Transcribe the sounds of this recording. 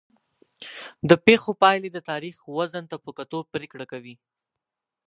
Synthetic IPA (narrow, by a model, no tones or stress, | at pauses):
d̪əpexopɑjled̪ət̪ɑɾixwazant̪apəkat̪opɾekɽakawi